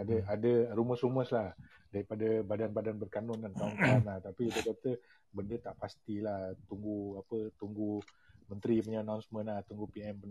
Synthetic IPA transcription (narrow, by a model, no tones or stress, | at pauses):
adaadaruməsuməslah | daɾipadabadanbadanbərkanʊnɡank̪auŋkaanlaht̪apiit̪ət͡ʃəp̚t̪ə | bəndət̪aʔpast̪ilaht̪uŋɡuapət̪uŋɡu | mənt̪ɾipəɲanawnsmənlaht̪uŋɡupiɛmpən